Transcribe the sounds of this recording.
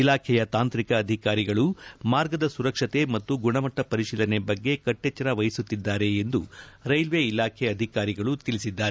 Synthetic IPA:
ilaːkʰɛjɐt̪aːnt̪ɾikɐːd̪ʱikaːɾiɡɐɭumaːɾɡɐd̪ɐsuɾɐkʂɐt̪e̞mɐt̪ːuɡuɳɐmɐʈːɐpɐɾiʃiːlɐnebɐɡːe̞kɐʈːɛt͡ʃːɐɾɐʋɐjisut̪ːid̪ːaːɾe̞ːnd̪uɾɐjlʋeilaːkʰeɐd̪ʱikaːɾiɡɐɭut̪ilisid̪ːaːɾe

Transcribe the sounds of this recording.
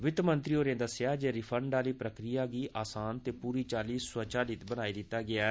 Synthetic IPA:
ʋɪt̪mənt̪ɾiːoːɾẽːd̪əsːjaːd͡ʒeːɾɪpʰəɳɖaːliːpɾəkɾɪjaːɡiːʔaːsaːnt̪eːpuːɾiːt͡ʃaːliːswət͡ʃaːlɪt̪bəñaːiːd̪ɪt̪ːaːɡɪaːɛ

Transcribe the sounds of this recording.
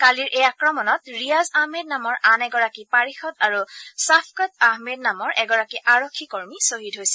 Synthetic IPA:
kaliɹʔejakɹɔmɔnɔtɹijazahmed̚namɔɹʔanɛɡɔɹakipaɹixɔtaɹusapʰkɔtaɦmed̚namɔɹʔɛɡɔɹakiʔaɹokʰːikoɹmisoɦidɦojsɛ̥

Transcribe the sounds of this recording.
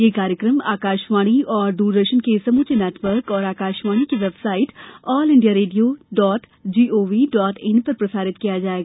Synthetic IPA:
jeːkaːɾjəkɾəma̰ːkaːʃʋaːɽ̃iɔːɾd̪uːɾd̪əʃənkesɐmuːt͡ʃenɛːʈʋəɾkɔːɾaːkaːʃʋaːɽ̃ikiʋeːbsaːɪʈɔːlɪ̃ɳɖijaɾeːɖijoːɖɔːʈ | d͡ʒiːoːʋiɖɔːʈɪ̃npɐɾpɾɐsaːɾɪt̪kijad͡ʒaːeːɡaː

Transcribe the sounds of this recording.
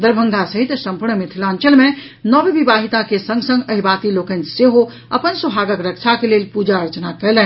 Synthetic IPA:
d̪əɾbʱə̃ŋd̪ʱasəɦit̪sə̃mpuɾɳəmet̪ʰilãnt͡ʃəlmẽ | nɔbbibaɦit̪akesə̃ŋɡsə̃ŋɡəɦibat̪ilokənseɦo | əpənsəbʱaɡəkɾəkt͡ʃʰakelelpud͡ʒaəɾt͡ʃnakəjlɛ̃n

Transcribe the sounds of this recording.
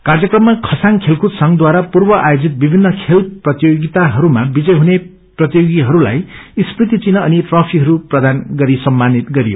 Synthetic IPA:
kard͡zjʌkrʌmːakʰʌsaŋkʰelkʰut̪sʌŋd̪waɾapurbʌʔajod͡zit̪̚bibʱinːʌkʰelprʌt̪ijoɡit̪aɦʌɾumabid͡zʌjɦune | prʌt̪ijoɡiɦʌɾula̰jisprit̪it͡sinʌːniʈrʌpʰiɦʌɾuprʌd̪anɡʌɾisʌmːanit̪ɡʌɾijo̰

